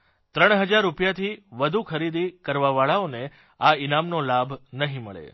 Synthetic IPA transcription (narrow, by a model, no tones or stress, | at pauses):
t̪ɾəɳ̃ɦəd͡ʒaɾːupjat̪ʰiʋəd̪ʱukʰəɾid̪ikəɾʋaʋaɭaone | ainamnolabʱnəɦĩməɭḛ